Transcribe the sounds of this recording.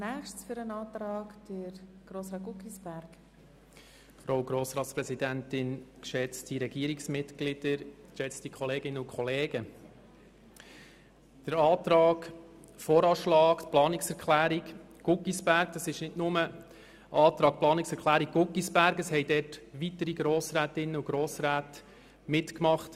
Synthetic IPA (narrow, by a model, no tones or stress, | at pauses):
næxʃsfyɾənɑːt̪ɾɑːkd̥əɾɡ̥ɾoːsɾɑːɡukisb̥æɾɡ̥ | fɾoʊɡɾoːsɾɑːt̪spɾɛsidæntɪnkʃɛt͡stiɾɛɡiəɾiksmɪtɡlɪd̥əɾkʃɛt͡stikʰχɔleːɡɪnəʊkʰχɔleːɡ̥ə | d̪̥əɾɑːt̪ɾɑːɡ | fɔːɾɑːʃlɑːkt̪plɑːnɪksɛɾkχlæːɾik | ɡ̥ʊkːisb̥æɾɡd̥ɑsɪʃnɪdnʊmə | ʔɑːt̪ɾɑːk̚plɑːniksɛkʰlæːɾik̚ɡ̥ʊkːisb̥æɾɡəshɛɪdɛːrtʋitəɾiɡɾoːsɾæːtɪnːəuɡ̥ɾoːsɾæːt | mɪtkmɑχt